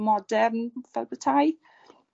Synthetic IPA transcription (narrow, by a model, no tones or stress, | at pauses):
mɔdɛrnvɛlˠbətʰaj